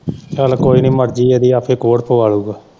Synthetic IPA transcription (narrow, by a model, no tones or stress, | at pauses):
kaːlkoːiːniːməɾd͡ʒiːeːd̪iːaːpʰeːkoːɽpʰoːaːluːɡaː